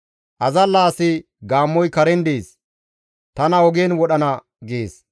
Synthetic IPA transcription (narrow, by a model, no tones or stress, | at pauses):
ʔɐzɐlːaːsɪ | ɡaːmːɔjkɐɾɛnd̪eːs | t̪ɐnɐɔɡeːnwɔɗɐnɐ | ɡeːs